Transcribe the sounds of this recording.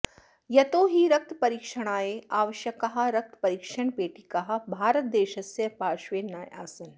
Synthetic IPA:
jɐt̪oːɦiɾɐk̚t̪pɐɾiːkʃəɽ̃aːeaːʋəʃjɐkːɐɦaɾɐk̚t̪ʰpɐɾiːkʃəɳpeːʈikɐɦabʱaːɾət̪̚d̪eːʃɐsjɐpaːʃʋeːnaːja̰ːsɐn

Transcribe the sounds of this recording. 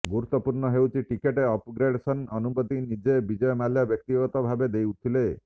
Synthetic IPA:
ɡuɾut̪ːɔpuɾɳɔɦewt͡ʃʰiʈikeʈeɔpɡɾeɽsɔnɔnubɔd̪inid͡ʒebid͡ʒɔjɔmaljabjɔk̚t̪iɡɔt̪ɔbʱabed̪ewt̪ʰile

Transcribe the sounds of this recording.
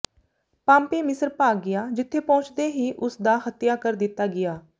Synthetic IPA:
pãːmpeːmɪsəɾpaːɡɪjaːd͡ʒɪt̪ʰːeːpɔ̃ʊt͡ʃd̪eːɦiːʔʊsd̪aːhət̪jaːkəɾd̪ɪt̪ːaːɡɪjaː

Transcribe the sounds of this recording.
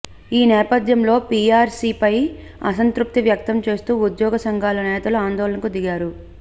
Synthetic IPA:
iːnɛːpɐd̪jɐmlo̞ːpiːaːɾsiːpɐj | ɐ̰sɐnt̪ɾup̚t̪iʋjɐk̚t̪ɐmt͡ʃe̞ːst̪uːud̪jɔːɡɐsɐŋɡʱaːlɐnɛːt̪ɐluaːnd̪ɔːlɐnɐkud̪iɡaːɾu

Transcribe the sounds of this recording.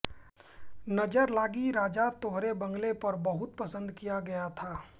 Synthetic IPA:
nɐd͡ʒəɾlaːɡiɾaːd͡ʒat̪oːɦɾebɐ̃ŋɡlepɐɾbɐɦʊt̪̚pɐsə̃nd̪kijaɡɐjat̪ʰaː

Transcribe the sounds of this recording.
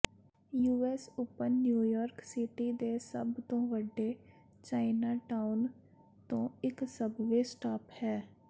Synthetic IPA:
juːɛːsʊpːənːjuːjɔːɾksɪʈiːd̪eːsəbt̪õːʋəɖːeː | t͡ʃaːɪnaːʈaːʊn | t̪õːɪksəbʋeːsʈaːphɛː

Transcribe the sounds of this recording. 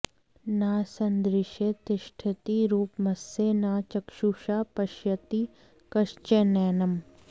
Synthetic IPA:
naːsɐnd̪ɾɪʃet̪ɪʃʈʰɪt̪iɾuːpmɐsenaːt͡ʃɐkʃuːʃaːpɐʃjɐt̪i | kɐʃt͡ʃenɛːnɐm

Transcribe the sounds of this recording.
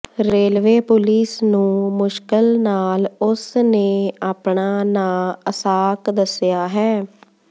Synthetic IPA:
ɾeːlʋeːpʊliːsnũːmʊʃkəlnaːlʊsneːaːpɳaːnaːəsaːkd̪əsɪjaːɦɛː

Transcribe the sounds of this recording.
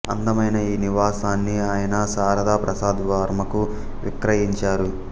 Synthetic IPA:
ɐnd̪ɐmɐjnɐiːniʋaːsaːnːiaːjɐnɐsaːɾɐd̪aːpɾɐsaːd̪ʋaːɾmɐku | ʋḭkɾɐjiɲt͡ʃaːɾu

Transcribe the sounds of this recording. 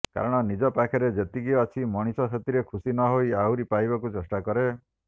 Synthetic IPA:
ka̰ɾɔɽ̃ɔnid͡ʒɔpakʰɛɾed͡ʒet̪iɡijɔat͡ʃʰimɔɽ̃isɔset̪iɾekʰusinɔɦojawɾipajbɔkut͡ʃesʈakɔɾe

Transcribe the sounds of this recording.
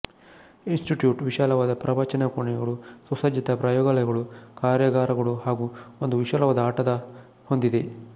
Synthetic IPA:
insʈiʈjuːʈʋiʃaːlɐʋaːd̪ɐpɾɐbat͡ʃɐnɐkuɳɛɡɐɭusɐsɐd͡ʒjɐt̪ɐpɾɐːjɔːɡɐlɐjɐɡɐɭukaːɾjɐɡaːɾɐɡɐɭuhaːɡuond̪uʋiʃaːlɐʋaːd̪ɐaːʈɐd̪ɐ | ho̞nd̪id̪e̞

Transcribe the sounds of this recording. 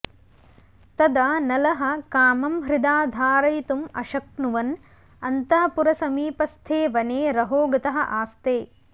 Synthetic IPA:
t̪ɐd̪aːnɐlɐɦɐ̆kaːmɐmɦɾɪd̪aːd̪ʱaːɾɐjt̪umɐʃɐknuʋɐn | ɐnt̪ɐɦɐpuɾɐsɐmiːpɐst̪ʰeːʋɐneːɾɐɦoːɡɐt̪ɐɦɐ̆ʔaːst̪eː

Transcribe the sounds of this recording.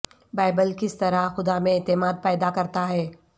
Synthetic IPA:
baːɪbəlkɪst̪ɐɾaxʊd̪amẽɛːt̪ɪmaːd̪̚pɛːd̪akɐɾt̪aɦɛː

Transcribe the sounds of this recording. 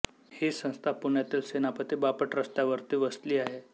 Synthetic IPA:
hisə̃w̃st̪ʰapuɳjat̪iːlsenapət̪ibapəʈɾəst̪jaʋəɾt̪iːʋəsliːaɦe

